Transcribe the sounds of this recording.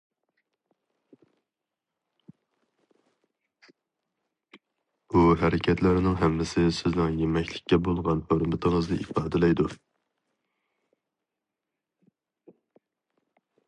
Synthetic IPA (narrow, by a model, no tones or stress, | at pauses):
uɦæɾɪkʲʰɛt̪ʰlæɾɪnɪŋɦɛmːɪsɪsɪznɪŋjemɛkʲlɪk̚ʲːɛbolˠʁɑnhøɾmɪt̪ʰəŋəzd̪ɨʔifɑːd̪ɪlɛjd̪u